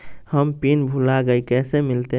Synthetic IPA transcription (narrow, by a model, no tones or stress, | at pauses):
həmpinbʱulaɡəikɛːsemɪlt̪e